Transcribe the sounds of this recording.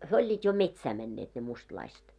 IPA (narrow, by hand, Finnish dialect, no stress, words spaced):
hyø olʲːiːt jo metsæː mɛnːeːt ne mustlɑiset